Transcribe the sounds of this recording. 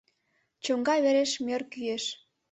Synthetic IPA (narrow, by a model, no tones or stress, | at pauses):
t͡ɕoŋɡɑjβeɾeʃmørkyeʃ